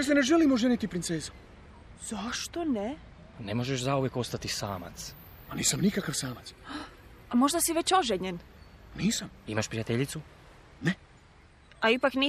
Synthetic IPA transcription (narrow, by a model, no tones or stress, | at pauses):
jeslineʒelimoʒenit̪ipɾint̪seːzu̥ | z̥aʃt̪one | nemo̞ʒeʃzauʋje̞ko̞st̪at̪isaːma̰t̪s | aniːsamnikakaʋsaːmat̪s | amo̞ʒd̪asiʋet͡ɕoʒeɲenniːsamimaʃpɾijat̪eʎit̪su | ne | aipakniː